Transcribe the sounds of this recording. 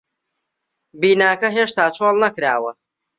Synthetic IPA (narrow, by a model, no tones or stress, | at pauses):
biːnaːkɐɦeːʃt̪aːt͡ʃʰoːlˠnɐkɾa̰ːwɐ